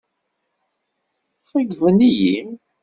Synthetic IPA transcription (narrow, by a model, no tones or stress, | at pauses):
fæɡðˤəniji